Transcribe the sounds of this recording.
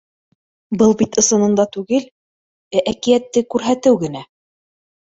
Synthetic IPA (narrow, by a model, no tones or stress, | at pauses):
bɤlˠbit̪ɤ̆sɤ̆nɤ̆nd̪ɑt̪ʉɡɘl | æʔækijæt̪ːɘkʉɾɦæt̪ɘwɡɘ̆næ